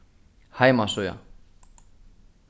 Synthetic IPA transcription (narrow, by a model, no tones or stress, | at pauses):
hajmasoja̰